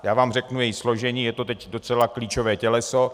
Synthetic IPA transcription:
jaːvaːmrɛknujɛjɪslo̞ʒɛɲiːjɛt̪o̞t̪ɛcdo̞t͡sɛlakliːt͡ʃo̞vɛːcɛlɛso

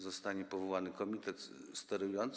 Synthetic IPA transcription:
zɔst̪aɲɛpɔvɔwanɘkɔmʲit̪ɛt̪st̪ɛɾujɔnt̪s

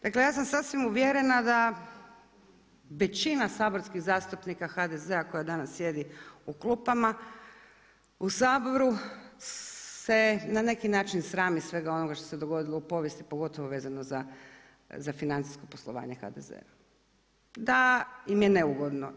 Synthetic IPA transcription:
d̪̥aklejaːsamsasʋimuʋjeɾe̞nad̪a | ʋe̞t͡ɕinasaːbo̞ɾskiɣzaːst̪upnikaxad̪e̞zeako̞jad̪anasːje̞d̪iuklupama | usaːbo̞ɾu | se̞nane̞kinaːt͡ʃinsɾaːmisʋe̞ɡao̞noɡaʃt̪o̞se̞d̪o̞ɡo̞d̪ilˠoupo̞ʋjest̪ipo̞ɡo̞t̪oʋo̞ʋe̞ːzano̞za | zafinant̪si̥sko̞poslˠo̞ʋa̰ːɲe̞xa̰d̪ḛzḛa | d̪aimjene̞uɡo̞d̪no̰

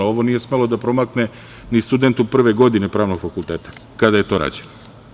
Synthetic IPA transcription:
o̞ʋo̞nije̞sme̞lˠo̞d̪apɾo̞makne̞ | nist̪ud̪e̞nt̪upr̩ʋe̞ɡo̞d̪ine̞pɾaːʋno̞ɡ̥fakulˠt̪eːt̪ḁkad̪aje̞t̪o̞ːɾa̰ːd͡ʑeno

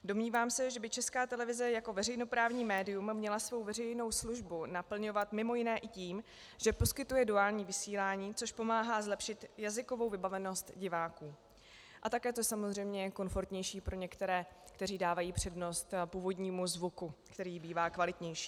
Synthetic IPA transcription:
domɲiːvaːmsɛʒɛbɪt͡ʃɛskaːt̪ɛlɛvɪzɛjako̞vɛrɛjno̞pɾaːvɲiːmɛːdɪjumːɲɛlasvo̞wvɛrɛjno̞wsluʒbunapl̩ɲo̞vat̪mɪmo̞jɪnɛːʔɪciːm | ʒ̥ɛpo̞skɪt̪ujɛduaːlɲiːvɪsiːlaːɲiːt͡so̞ʃpo̞maːɦaːzlɛpʃɪt̪jazɪko̞vo̞wvɪbavɛno̞st̪ɟɪvaːkuː | ʔat̪akɛːt̪osamozr̝ɛjmɲɛko̞nfo̞ɾt̪ɲɛjʃiːpɾʔo̞ɲɛkt̪ɛɾɛː | kt̪ɛriːdaːvajiːpr̝̥ɛdno̞st̪puːvo̞dɲiːmuzvukukt̪ɛɾiːbiːvaːkvalɪt̪ɲɛjʃi̥ː

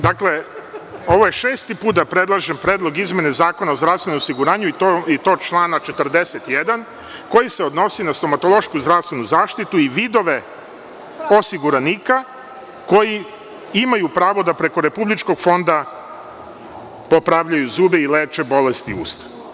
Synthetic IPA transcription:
d̪akle̞ | o̞ʋoje̞ʃeːst̪ipuːt̪̚d̪apɾe̞d̪lˠaʒempɾeːd̪lˠo̞ɡizme̞nezaːko̞naozd̪ɾavsʋe̞nomosiɡuɾaːɲuiit̪o̞ːt͡ʃlˠaːnat͡ʃe̞t̪rd̪eset̪jed̪an | ko̞jiseod̪no̞sinast̪o̞mat̪o̞lˠo̞ʃkuzd̪ɾafst̪ʋenuzaːʃt̪it̪uiʋid̪o̞ʋe̞ | o̞siɡuɾaniːka | ko̞ji | imajupɾaːʋo̞d̪apɾe̞ko̞ɾe̞publit͡ʃko̞ɡfo̞nd̪a | popɾaʋʎajuzuːbeileːt͡ʃe̞bo̞lest̪iṵːst̪ḁ

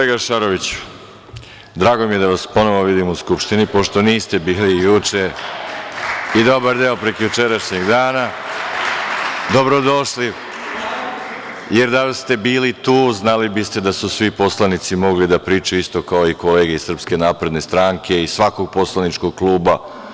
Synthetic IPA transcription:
oeɡaʃaɾoʋit͡ɕu̥ | d̪ɾaːɡo̞mije̞d̪aʋaspo̞no̞ʋoʋid̪imuskupʃt̪inipo̞ʃt̪oniːst̪e̞biːlijut͡ʂe | id̪o̞baɾd̪eopɾekjut͡ʃe̞ɾaʃɲeɡd̪aːna | d̪o̞bɾo̞d̪o̞ʃli | je̞ɾd̪ast̪e̞biːlit̪uːznalibist̪e̞d̪asusʋipo̞slanit̪simo̞ɡlid̪apɾiːt͡ʃuist̪o̞kaoiko̞le̞ːɡeissər̩pske̞naːpɾe̞d̪ne̞st̪ɾaŋkʰe̞isʋako̞ɡ̚po̞slˠanit͡ʃko̞ɡ̚klˠuːba

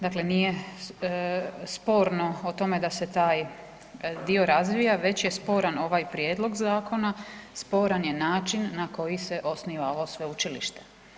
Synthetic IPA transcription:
d̪akle̞nije̞ | spo̞ːɾno̞ot̪o̞me̞d̪ase̞t̪aːj | d̪io̞ɾazʋijaʋe̞t͡ɕje̞spo̞ːɾano̞ʋajpɾjeːd̪lˠo̞ɡzaːko̞naspo̞ːɾanje̞naːt͡ʃinːako̞jise̞ʔo̞sniʋaoʋosʋe̞ut͡ʃilḭʃt̪e

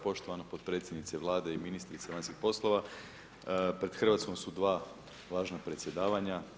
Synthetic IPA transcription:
po̞ʃt̪o̞ʋanopod̪̚pɾet̪sjed̪nit̪seʋlˠaːd̪eiminist̪ɾit̪seʋanskixpo̞slˠo̞ʋa | pɾe̞d̪̥xr̩ʋat̪sko̞msud̪ʋaː | ʋaːʒnapɾet̪sje̞d̪aːʋaɲa

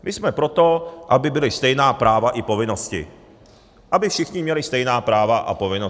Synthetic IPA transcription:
mʔɪsmɛpɾo̞t̪o̞ʔabɪbɪlɪst̪ɛjnaːpɾaːvaʔɪpo̞vɪno̞scɪ̰ | ʔabɪfʃɪxɲɪmɲɛlɪst̪ɛjnaːpɾaːvaʔa̰po̞vɪno

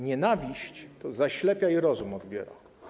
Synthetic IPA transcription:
ɲɛnavʲiɕt͡ɕt̪ɔzaɕlɛpʲjaiɾɔzumɔd̪bʲjɛɾa̰

